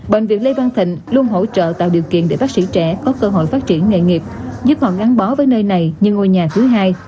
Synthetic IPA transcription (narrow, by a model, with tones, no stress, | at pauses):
ɓḛ˧˨ŋ̟vi˨˩ən̚le˧vaː˧nt̪ʰḭ̈˧˨ŋ̟lu˧ənɦo̰˧˥t͡ɕə̰ː˧˨t̪a̰ː˧˨wɗi˨˩əwkḭ˧ənɗe˧˩ɓaː˦˥k̚sḭ˧˥t͡ɕɛ˧˩kɔ˨˦kəː˧ɦo̰˧˨jfaː˦˥t̚t͡ɕi˧˩ənŋḛ˧˨ŋi˨˩p̚zɨ˦˥p̚hɔ̰˧˨˩ɣaː˨˦nɓɔ˨˦vəː˨˦jnəː˧jna˨˩jɲɨ˧ŋo˧jɲaː˨˩t̪ʰɨ˨˦ɦaː˧j